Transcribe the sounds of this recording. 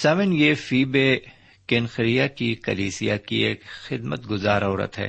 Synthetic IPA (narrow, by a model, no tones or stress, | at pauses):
saːʋɪnjefiːbe | kɪnxɾijakikɐliːsijakieːkxɪd̪mət̪ɡʊzaːɾoːɾə̰t̪ɦɛ̰ː